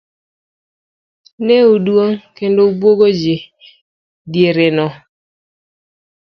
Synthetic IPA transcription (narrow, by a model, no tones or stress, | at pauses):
neudwoŋkendoubwoɡod͡ʒɪ | djeɾenɔ